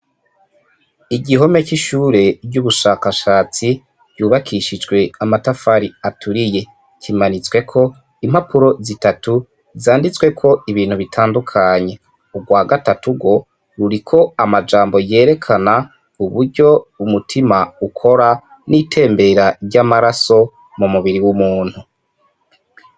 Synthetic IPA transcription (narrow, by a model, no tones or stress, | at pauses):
iɟiɦo̞me̞ciʃuːɾe̞ɟuβuʃaːkaʃaːt͡si | ɟ̥uːβakʰiʃid͡ʒɡwe̞amatafaɾiatʰuɾije̞ | cʰimanit͡swe̞kʰo̞ | imhapuɾo̞zitatu | zaːndit͡swe̞kʰo̞iβiːnhuβitʰaːndukʰaɲe̞ | uɡwaːɡatatuɡo̞ | ɾuɾikʰo̞amad͡ʒaːmbo̞je̞ːɾe̞kʰana | uβuɾɟo̞umutʰimaukʰo̞ɾa | nitʰe̞ːmbe̞ɾaɟamaɾaso̞ | mumuβiɾiwumuːn̥hu